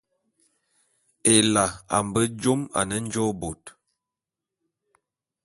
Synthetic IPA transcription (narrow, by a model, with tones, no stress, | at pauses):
e˨la˨a̰˨m˨bə˦d͡ʒo˦ma̰˨nə˦n̩˦d͡ʒo˦bo˨t